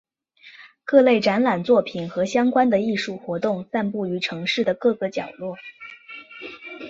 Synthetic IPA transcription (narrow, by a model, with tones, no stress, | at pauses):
kɤ˥˧le˥˩ɪʈ͡ʂa˧˥nla˨˩nt͡swɔ˥˩pʰi˨˩nxɤ˧˥ɕjɑ˥ŋkwa˥nd̪ə˨i˥˧ʂu˥˩xwɔ˧˥t̪ʊ˥˩˧ŋsa˥˧npu˥˩y˧˥ʈ͡ʂʰɤ˧˥ŋʂɻ̩˥˩d̪ə˩kɤ˥˩ɡə˧˩t͡ɕjɑ˨˩ʊlwɔ˥˩